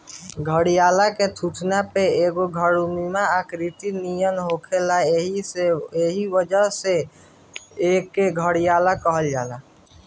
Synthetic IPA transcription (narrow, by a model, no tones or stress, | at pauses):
ɡʱəɽijaːlaket̪ʰut̪ʰnapeeːɡoɡʱəɽumimaakɾit̪inijənɦoːkʰelaieeːɦiʋəd͡ʒəɦse | eːkːeɡʱəɽijaːlakəɦəld͡ʒaːla